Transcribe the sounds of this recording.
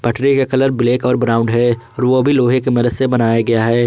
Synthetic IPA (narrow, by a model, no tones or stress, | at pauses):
pɐʈʰɾikekɐləɾbɪleːkɔːɾbɾaːʊ̃ɳɖɦɛːɔːɾʋobʱiloːɦekemɐɾəssebɐnaːjaɡɐjaɦɛː